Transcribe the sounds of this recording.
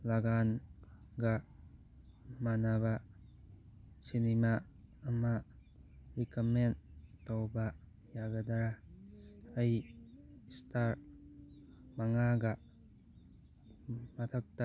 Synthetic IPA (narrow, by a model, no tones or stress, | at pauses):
laɡan | ɡɐ | manaβa | sinimaː | ma | ɾikɐmentowba | jaɡɐdaɾa | ɐj | staɾ | maŋaɡɐ | mɐtʰɐk̚ta